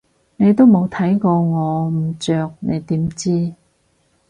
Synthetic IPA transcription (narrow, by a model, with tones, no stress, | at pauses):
ne˨˧jt̪o˥wmo˨˧wt̪ʰɐ˨˥jkɔː˧ŋɔː˨˧m̩˨˩t͡ʃœː˨˧k̚nḛ˨˧jt̪iː˨˥mt͡siː˥